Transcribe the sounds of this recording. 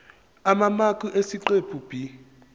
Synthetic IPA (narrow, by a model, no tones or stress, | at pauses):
amamakʼuʔesiǃepʰub̥ʱi